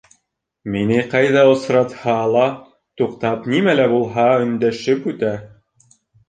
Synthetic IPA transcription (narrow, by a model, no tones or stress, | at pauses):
minɘqɑjðɑŏsɾɑt̪hɑlˠɑ | t̪uqt̪ɑpnimælæbulˠɦɑɵ̆nd̪æʃɘpʉt̪æ